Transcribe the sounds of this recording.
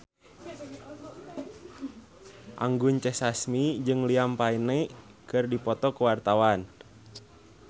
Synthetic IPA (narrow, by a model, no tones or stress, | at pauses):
ʔa̰ŋɡuɲt͡ʃɛsasmid͡ʒɨŋliampainɛkɨrdipɔt̪ɔkəwart̪awan